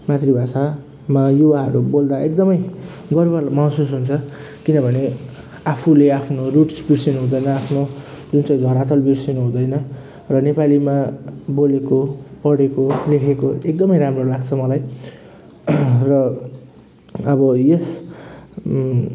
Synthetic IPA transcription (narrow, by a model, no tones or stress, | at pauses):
mat̪ribʱasa | majuwaɦʌɾubold̪aek̚d̪ʌmʌj | ɡʌrbʌmaɦsusɦunt͡sʰʌ | kinʌbʱʌne | apʰuleapʰnoruʈsbiɽsinɦũd̪ʌjnʌapʰno | d͡zunt͡sʌj̃d̪ʱʌɾat̪ʌlbiɽsinuɦũd̪ʌjnʌ | rʌnepalimabolekopʌɽekolekʰekoek̚d̪ʌmʌjɾamrolaɡt͡sʰʌmʌlaj | rʌ | ʌbʌjes